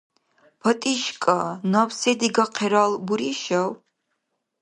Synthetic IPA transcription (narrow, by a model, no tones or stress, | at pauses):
pʰɐt̪ʼiʃkʼanawsɛd̪iɡaqʰɛɾalbuɾiʃɐw